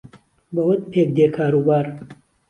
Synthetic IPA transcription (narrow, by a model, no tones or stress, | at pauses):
bɐwət̪̚pʰeːk̚d̪eːkʰaːɾuːbaːɾ